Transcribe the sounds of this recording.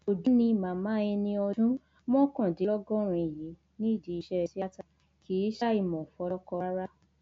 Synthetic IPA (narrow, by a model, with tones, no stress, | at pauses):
o˨dũ˨˦nĩ˧˨mãː˨˦mãː˨˦ɛ˧nĩ˧ɔ˧dũ˦ | mɔ̃˦kã˦˨de˨lɔ˦ɡɔ̃˦ɾ̃ĩ˧i˨ji˨˦ | nĩ˦i˦˨di˨˧i˧ʃɛ˧si˦a˦ta˦ | ki˨˦ʃa˦i˦˨mɔ̃˨fɔ˧lɔ˦kɔ˧˦ɾa˦